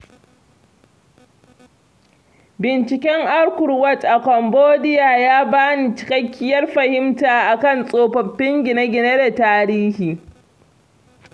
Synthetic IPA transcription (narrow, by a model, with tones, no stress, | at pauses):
bɪ˨nt͡ʃɪ˨kʲɛ˦ŋʔa˦rkʷʊ˨ɾwɐ˦tʔa˨kʷɔ˨mboː˦dɪ˦jaː˨jaː˦baː˦ni˨t͡ʃɪ̥˦kɐ˦kʲːɪ˦jɐ˦rɸɐ˨hɪ˦mtaː˨ʔa˨kɐ˦˨nsʼoː˨ɸɐ˨ɸːɪ˦ŋɡʲɪ˨na˦ɡʲɪ˨ne˦da˨taː˦ɾiː˦hiː˨